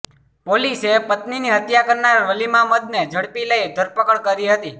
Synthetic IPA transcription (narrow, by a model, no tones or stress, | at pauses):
polisepət̪niniɦət̪jakəɾnaɾʋəlimãməd̪̚ned͡ʒʱəɽpiləjd̪ʱəɾpəkəɭkəɾiɦət̪i